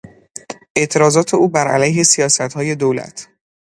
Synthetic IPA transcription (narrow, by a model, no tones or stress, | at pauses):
ʔe̞ʔt̪ʰe̞ɾɒːzɒːt̪ʰe̞uːbæɾʔæ̰læjɦe̞sijɒːsæt̪hɒːje̞d̪owlæ̰t̪ʰ